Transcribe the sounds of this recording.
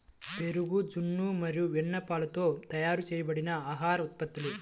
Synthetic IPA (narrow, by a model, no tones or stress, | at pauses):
beɾuɡud͡ʒunːumɐɾijuʋɛnːɐpaːlɐt̪oːt̪ɐjaːɾut͡ʃɛːjɐbɐɽinɐaːɦaːɾɔt̪̚pɐt̪ːilu